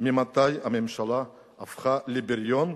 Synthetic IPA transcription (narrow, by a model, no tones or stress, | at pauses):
mimat̪ajamemʃalaː | fχalebeɾjon